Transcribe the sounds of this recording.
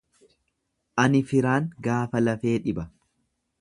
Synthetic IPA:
ʔɐnɪfɪɾaːŋɡaːfɐlɐfe̞ːᶑɪbɐ

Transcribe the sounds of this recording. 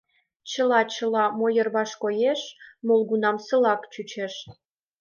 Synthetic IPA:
t͡ɕəlɑt͡ɕə̆lɑmojərβɑʃkojeʃmolɣunɑmsəlɑkt͡ɕut͡ɕeʃ

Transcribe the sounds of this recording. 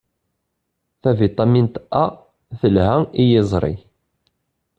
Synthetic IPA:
θævit̪ˤːɑmint̪æ | θəlhæijɪzˤɾˤḭ

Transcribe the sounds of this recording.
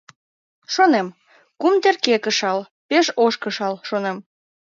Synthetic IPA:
ʃonem | kumt̪erkekəʃɑl | peʃoʃkəʃɑlʃonem

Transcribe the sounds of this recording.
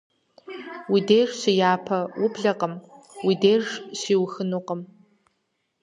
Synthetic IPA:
widejrɕɪjaːpʰɐwʊbɮɐqəm | widejʐɕʷiːwxɨnuːqəm

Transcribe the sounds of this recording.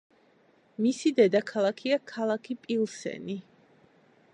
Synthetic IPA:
misid̪ɛd̪akʰalˠakʰiakʰalˠakʰipʼilˠsɛ̰ni

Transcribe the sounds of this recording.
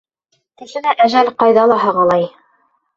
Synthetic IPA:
t̪ɘ̆ʃɘ̆læʔæʒælqɑjðɑlˠɑɦɑʁɑlˠɑj

